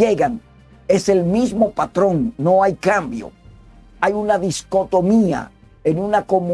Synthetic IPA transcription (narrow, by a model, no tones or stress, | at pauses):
e̞ɣaŋ | e̞se̞lmizmo̞pat̪ɾõ̞ŋːo̞ajkambjo̰ | ajunaðisko̞t̪o̞mia̰ | enunako̞mũ